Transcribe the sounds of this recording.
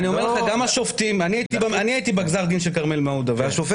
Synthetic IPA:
nio̞me̞leχaɡamaʃoft̪imaniait̪ibaniait̪ibaɡzaʁd̪inʃelkaʁmelmaud̪aveaʃofe

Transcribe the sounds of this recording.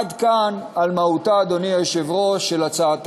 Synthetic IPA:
d̪kanalmautaːd̪o̞niajʃevʁo̞ʃelat͡saːt

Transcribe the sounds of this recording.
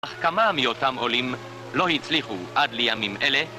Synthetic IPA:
aχkamamijot̪amolim | lo̞hit͡sliχuʔadlejamimʔele

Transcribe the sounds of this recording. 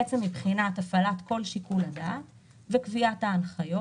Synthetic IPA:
et͡semːibχinatafalat̪ko̞lʃikuladat | vekviathaːnχajo

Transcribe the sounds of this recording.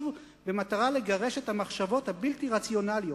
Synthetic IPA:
v | bemataʁale̞ɡaʁe̞ʃe̞thamaχʃavo̞thabiltiʁat͡sjo̞naljo

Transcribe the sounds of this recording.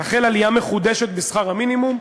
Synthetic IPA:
aχelalijameχud̪eʃet̪̚besχaʁaminimum

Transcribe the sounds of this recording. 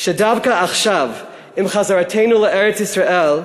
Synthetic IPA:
ʃɛdavkaaχʃav | imχazaɹatʰejnulɛʔɛɹɛt͡sisɹaʔel

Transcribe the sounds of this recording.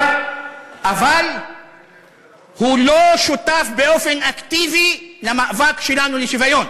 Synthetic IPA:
ʔaval | hulo̞ʃutafbeʔo̞fe̞naktivilamaʔvakʃe̞lanuleʃivajo̞n

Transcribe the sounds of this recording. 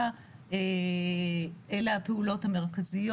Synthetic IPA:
a | e | ʔelaːpeulo̞thame̞ʁkazijo

